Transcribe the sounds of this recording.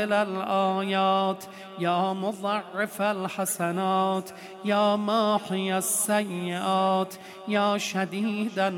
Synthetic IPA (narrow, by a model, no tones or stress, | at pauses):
elalʔɑːjɑːt̪ʰ | jɑːmoðˤɑʕːefalħasanɑːt̪ʰ | jɑːmɑːħɪjasːajːɪʔɑːt̪ʰ | jɑːʃad̪iːd̪a